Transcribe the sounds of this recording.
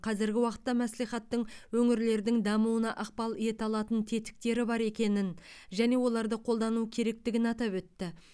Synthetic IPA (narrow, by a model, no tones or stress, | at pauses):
qʰɑzɪɾɡʲɪwɑqə̥t̪ːɑmæslijχɑt̪ːəɴwɵŋɪɾle̞ɾd̪ɪŋd̪ɑmuwənɑʔɑq̚pɑlˠje̞t̪ɑlˠɑt̪ənt̪ʰe̞t̪ɪ̥k̚t̪e̞ɾɪbɑɾe̞kʲe̞nɪnʒæne̞wo̞lˠɑɾd̪əqʰo̞lˠd̪ɑnukʲʰe̞ɾe̞k̚t̪ɪɡʲɪnɑt̪ɑpwɵt̪ːɪ